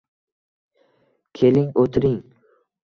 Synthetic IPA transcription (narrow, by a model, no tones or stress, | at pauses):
kʲʰelɪŋot̪ʰɪɾɪŋ